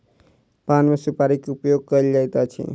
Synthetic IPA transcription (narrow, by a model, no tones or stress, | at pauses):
panmesipaɾikupjoɡ̚kəild͡ʒajt̪at͡ʃʰḭ